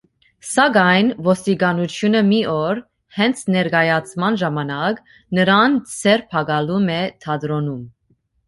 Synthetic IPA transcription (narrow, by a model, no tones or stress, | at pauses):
sɑɡɑjnvɔst̪iɡɑnut͡sʰjunəmiɔɾ | hɛnt͡sʰnɛɾɡɑjɑt͡sʰmɑnʒɑmɑnɑk | nəɾɑnt͡sʰɛɾpʰɑɡɑlumɛt̪ʰɑd̪ɾɔnum